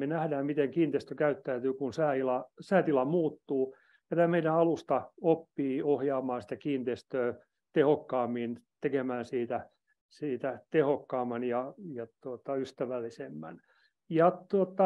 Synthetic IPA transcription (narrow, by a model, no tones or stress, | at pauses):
menæhdæːmmit̪eŋkiːnt̪eːst̪økæyt̪ːæyt̪yːkunsæːilɑsæːt̪ilɑmuːt̪ːuː | jɑt̪æːmeiɾæɑlust̪ɑopːiːohjɑːmɑːnsi̥t̪ækiːnt̪eːst̪øː | t̪ehokːɑːmːint̪ekemæːnsiːt̪æ | siːt̪æt̪ehokːɑːmːɑnjɑjɑt̪uot̪ɑyst̪æʋælːisemːæ̰n | jɑt̪uot̪ːˑɑ